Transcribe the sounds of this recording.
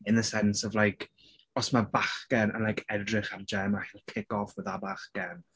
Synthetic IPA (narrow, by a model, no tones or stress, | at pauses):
ɨnðəsɛnsɔvlˠajkʰ | ɔsmabaχɡ̥ɛnə̰nlˠajkʰɛdrɪχard͡ʒɛmahiːlˠkʰɪɡɔfəðabaχɡ̥ɛn